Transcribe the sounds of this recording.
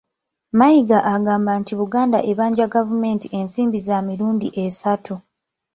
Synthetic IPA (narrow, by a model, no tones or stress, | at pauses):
majiɡaʔaɡaːmbantiβuɡaːndaʔe̞βaːɲɟaɡavume̞ːntiʔe̞nsiːmbizamiɾuːndiʔe̞satʰu